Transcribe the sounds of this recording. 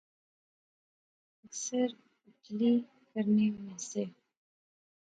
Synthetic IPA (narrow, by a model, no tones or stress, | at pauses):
əksəɾ | ʊtli | kəɾnemẽse